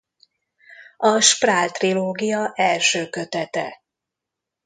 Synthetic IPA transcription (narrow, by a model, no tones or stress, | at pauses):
ɒʃpraːlt̪riloːɡijɒʔɛlʃøːkø̞t̪ɛt̪ɛ